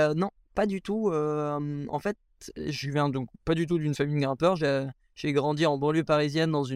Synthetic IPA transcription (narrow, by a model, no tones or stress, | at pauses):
ønɔ̃ | pad̪yt̪uøɑ̰̃fɛt̪ | ʒəvjɛ̃d̪ɔ̃k̚pad̪yt̪̬ud̪ynfamijɡʁɛ̃pœʁʒe | ʒ̥eɡʁɑ̃d̪iɑ̃bɑ̃ljøpaʁizjɛnd̪ɑ̃zy